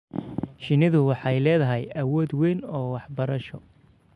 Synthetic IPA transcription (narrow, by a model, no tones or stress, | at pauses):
ʃɪnɪðʊwɑħɑjlɛːðɐɦɛjɐwɔːd̪wɛjnɔːwɑħbɐɾɐʃɔ